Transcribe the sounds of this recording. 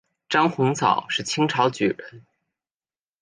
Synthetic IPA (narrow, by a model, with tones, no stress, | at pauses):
ʈ͡ʂɑ˥ŋxʊ˧˥ŋt͡sʰɑ̰˨˩ʊʂɻ̩˥˩t͡ɕʰi˥ŋʈ͡ʂʰɑ˧˥ʊt͡ɕy˨˩ɻə˧˥n